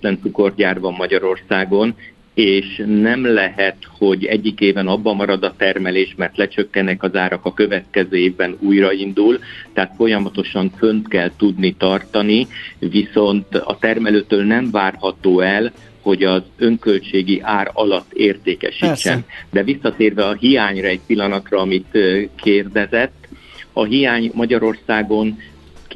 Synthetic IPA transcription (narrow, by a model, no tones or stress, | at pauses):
t̪lɛnt̪suko̞rɟaːrvɒmːɒɟɒɾo̞rsaːɡo̞n | eːʃnɛmlɛɦɛt̪ho̞ɟɛɟːikeːvɛnɒbːɒmɒɾɒd̪ɒt̪ɛrmɛleːʃmɛrt̪lɛt͡ʃø̞kːɛnɛkɒzaːɾɒkɒkøvɛt̪kɛzøːeːvbɛnuːjrɒind̪ult̪ɛɦaːt̪fo̞jɒmɒt̪o̞ʃɒɱfø̞nt̪kɛlt̪ud̪nit̪ɒrt̪ɒniviso̞nt̪ɒ̰t̪ɛrmɛløːt̪øːlnɛɱvaːrɦɒt̪oːɛl | ho̞ɟɒzø̞ŋkø̞lt͡ʃeːɡiʔaːɾɒlɒt̪ːeːrt̪eːkɛ̰ʃit͡ʃːɛ̰nd̪ɛvisːɒt̪eːrvɛɒɦijaːɲrɒɛc̚pilːɒnɒt̪rɒɒmit̪kʰeːrd̪ɛzɛt̪ː | ɒɦijaːɲmɒɟɒɾo̞rsaːɡo̞n